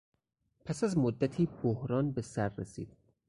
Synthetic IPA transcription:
pʰæsæzmod̪ːæt̪ʰiːbohɾɒːnbesæɾːesḭːd̪̥̚

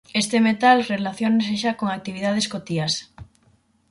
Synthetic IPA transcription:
est̪emet̪alrelaθjones̬eʃakoŋak̚t̪iβ̞iðað̞eskot̪ias

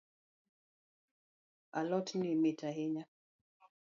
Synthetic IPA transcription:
alɔtnimitaɦeɲa

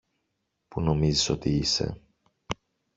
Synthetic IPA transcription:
puno̞miziso̞t̪iise̞̰

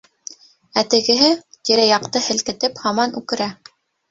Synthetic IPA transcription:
æt̪ɘ̆ɡɘ̆ɦɘt̪iɾæjɑq̚t̪ɤhɘ̆lkɘ̆t̪ɘphɑmɑnʉ̰kɘ̆ɾæ

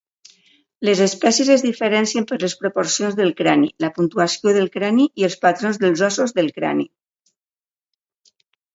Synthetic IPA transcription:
lezespɛsjezəzðifəɾɛnsiəmpəɾləspɾopoɾsionzðəlˠkɾanḭləpunt̪uasjoðəlˠkɾaniʔiəlˠspat̪ɾonzðəlˠzɔsozðəlˠkɾa̰nḭ

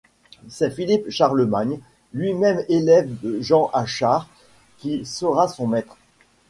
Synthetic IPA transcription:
sɛfilipʃaʁləmaɲ | lɥimɛmelɛvd̪əʒɑ̃ʔaʃaʁ | kʲisəʁasɔ̃mɛt̪χ

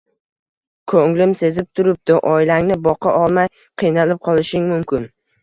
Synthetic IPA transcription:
kʰoŋlɪmse̞zɪp̚t̪ʰʊɾɪp̚d̪ɪʔɒɪlaŋnɪbɒqʰɑʔɒlˠmaj | qʰɨjnalɪp̚qʰɒlˠɪʃɪŋmʊmkʲɪn

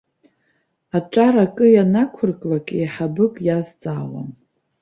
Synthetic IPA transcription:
aʈ͡ʂʼaɾakʼɨjanakʷʰʊrkʼlakʼejħabɨkʼjazd͡zʼaːwa̰n

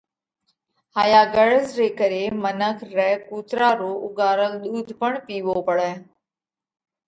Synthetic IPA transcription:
haːjaːɡəɽəzɾeːkəɾeːmənəkʰɾɛːkuːt̪ɾaːɾoːʔʊɡaːɾəlɗ̪uːd̪ʱpəɳpiːʋoːpəɽɛː

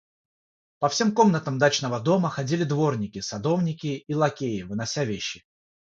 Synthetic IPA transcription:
pɐfsʲe̞mko̞mnət̪əmd̪at͡ɕn̪əvəd̪o̞məxɐdʲilʲɪd̪vo̞rnʲɪkʲɪsɐd̪o̞vnʲɪkʲɪilˠɐkʲejɪvɨnɐsʲavʲeɕːɪ

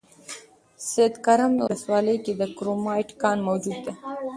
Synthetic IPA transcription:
sed̪kaɾamd̪wʊləswɑləjked̪əkɾomɑjʈkɑnmawd͡ʒud̪ːe

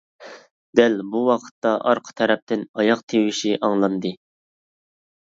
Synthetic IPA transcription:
d̪̥ælbuwɑqʰə̥t̪ːɑʔɑɾqʰə̥t̪ʰɛɾɛp̚t̪ʰɪnɑjɑqt̪ʰewɪʃiʔɑŋlˠɑnd̪ɨ

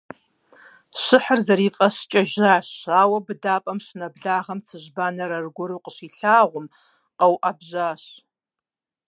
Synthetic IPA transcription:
ɕɨħərzɐɾiːfʼɐɕt͡ʃʼɐʒaːɕaːwɐbɨdaːpʼɐmɕnɐbɮaːʁɐmt͡sʰɨʒbaːnɐɾɐrɡʷʊɾuːqəʃiːɬaːʁʷʊm | qɐwʔɐbʑaːɕ

